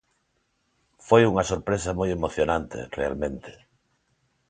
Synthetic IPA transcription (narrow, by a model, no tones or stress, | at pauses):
fojuŋɐsoɾpɾesɐmojemoθjonant̪ḛrea̰lmẽnt̪e̥